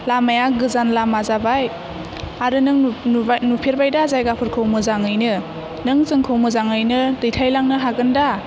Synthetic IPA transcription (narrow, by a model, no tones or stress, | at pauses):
lamajaɡɯzanlamazabaj | aɾɯnɯŋnupʰeɾbajdazajɡapʰɯɾkʰɯwmɯzaŋɯjnɯ | nɯŋzɯŋkʰɯwmɯzaŋɯjnɯdɯjtʰajlaŋnɯɦaɡɯnda